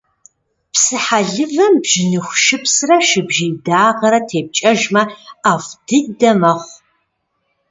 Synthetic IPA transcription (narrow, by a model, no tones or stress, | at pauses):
psɨħaɮɨvɐmbʒɪnɨxʷʃɨpsrɐʃɪbʒijdaːʁɐɾɐtʰeːp̚t͡ʃʼɐʒmɐaːfd̥ɨdɐmɐχʷ